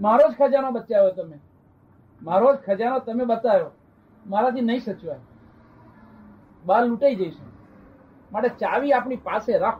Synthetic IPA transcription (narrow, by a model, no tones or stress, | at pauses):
maɾod͡ʒkʰəd͡ʒanoɓət̪ːt͡ʃajoet̪əme | maɾod͡ʒkʰəd͡ʒanot̪əmeɓət̪ajo | maɾat̪inəĩsət͡ʃʋae | ɓaɾluʈaid͡ʒəiʃe | maʈet͡ʃaʋiap̬ɳipaseɾakʰ